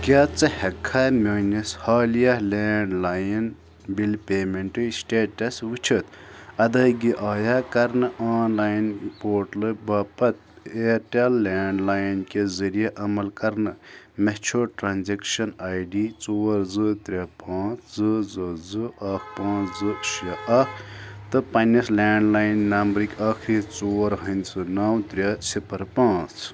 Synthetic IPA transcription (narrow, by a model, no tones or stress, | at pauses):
kʲaːt͡sɨhɐkʰːamʲoːnɐshaːlijɐhleːɳɖlaːjin | bilpeːmeɳʈɨsʈeːʈɐsʋut͡ʃʰɐt̪ɐd̪ɐːɡiʔaːjaːkɐɾnɨʔaːnlaːjnpoːʈlɨbɐpɐt̪̚ | eːɾʈelːeːɳɖlaːjnkezɐɾijeʔɐmɐlkɐɾnɨ | met͡ʃʰoːʈɾaːnzekʃɐnaːjɖit͡soːɾzɨt̪ɾʲɐpãːt͡sʰzɨzɨzɨɐkʰpãːt͡sʰzɨʃɐɐkʰt̪ɨpɐnɐslaːɳɖlaːjnːɐmbɾikʲɐːkʰɾit͡soːɾɦɐnʲt͡sʰɨnɐwt̪ɾʲesipʰɐɾpãːt͡s